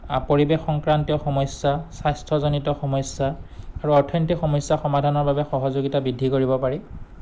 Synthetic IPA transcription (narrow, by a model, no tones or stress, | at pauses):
apoɹibexɔŋkɹantijɔxɔmɔsasajstʰɔzɔnitɔxɔmɔsːaaɹuɔɹtʰɔntixɔmɔjsːaxɔmadʱanɔɹbabɛxɔɦɔzoɡitabidʱːikoɹibɔpaɹɛ